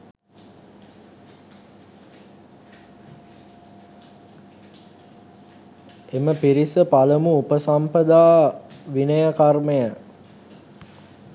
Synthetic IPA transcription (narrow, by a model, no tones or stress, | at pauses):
eməpiɾisəpaləmuupəsampəd̪aːʋinəjəkarməjə